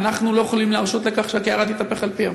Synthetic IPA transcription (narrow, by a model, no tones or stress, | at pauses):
naχnulojoχlimleaʃo̞t̪lekaχʃeakeaʁat̪it̪ape̞χalpia